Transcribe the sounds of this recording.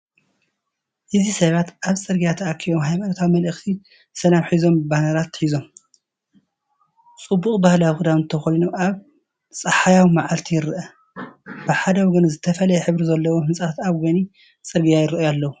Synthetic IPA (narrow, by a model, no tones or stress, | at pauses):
ʔɨzisɐβat̪ʔaβt͡sʼɨɾɡijat̪ʰɐakʰiwomɦajmaɾɐt̪ʰawimɐlɨxt̪ʰi | sɐlamħizo̞mbanɐɾat̪ħizo̞m | t͡sʼɨbːuχʼbahlawxɨd̪awɨnt̪ʰɐxolinoʔaβ | sʼɐħajawimaʕalt̪ʰijɪɾɨʔɐ | b̥ɨħad̪ɐwɔɡɐnzɨt̪ʰɐfɐlɐjɛħɨβɾizɐlːɐwohɨnsʼaat̪aβɡoni | t͡sʼɨɾɡijajɪɾɨʔjalːɐwu